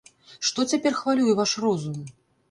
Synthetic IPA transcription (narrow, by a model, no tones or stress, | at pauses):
ʂt̪ɔt͡sʲapʲɛrxvalʲujɛvaʂrɔzum